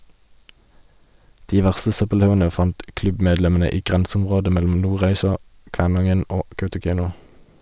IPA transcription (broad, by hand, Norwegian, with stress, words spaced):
ˈdiː ˈʋæʁstə ˈsœpəˌlɑʉənə ˈfɑnt ˈklʉbˌmeːdlɛmn̩ə ˈiː ˈɡʁɛnsm̩ˌʁoːdə ˈmɛlm̩ ˈnuːˌʁæɪsɑ ˈkʋæːˌnɑŋən ˈoː ˈkɑʉtʊˌkæɪnʊ